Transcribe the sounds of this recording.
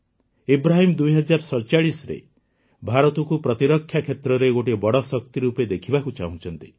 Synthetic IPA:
ibɾaɦimd̪ujɦɔd͡ʒaɾsɔɾt͡ʃaɽisɔɾḛ | bʱaɾɔt̪ɔkupɾɔt̪iɾɔkʰːjakʰet̪ɾɔɾeɡoʈibɔɽɔsɔk̚t̪iɾuped̪ekʰibakut͡ʃa̰ɦũt͡ʃʰɔnt̪i̥

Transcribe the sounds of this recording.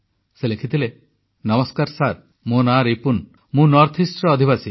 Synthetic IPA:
selekʰit̪ile | nɔmɔskaɾsaɾ | monaɾipun | mũnɔɾt̪ʰisʈɾɔːd̪ʱiβasi

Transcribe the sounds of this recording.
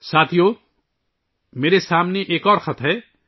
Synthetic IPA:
saːt̪ʰijoː | meːɾesaːmneʔeːkɔːɾxɐt̪ʰɦɛː

